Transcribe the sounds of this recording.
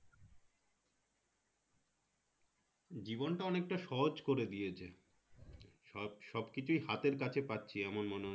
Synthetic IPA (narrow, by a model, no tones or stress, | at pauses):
d͡ʑibonʈaɔnek̚ʈaʃɔɦod͡ʑkoɾed̪ijet͡ɕʰe | ʃɔbkit͡ɕʰujhat̪eɾkat͡ɕʰepatːɕʰiɛmonmono